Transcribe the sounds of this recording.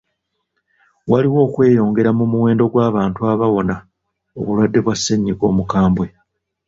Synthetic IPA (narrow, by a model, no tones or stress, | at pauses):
waliwo̞ːkwe̞ːjo̞ːŋɡe̞ɾamumuwe̞ːndo̞ɡwaːβaːntuaβawo̞na | o̞̰βulwadːe̞βwasːeɲːiko̞̰ːmukaːmbwe̞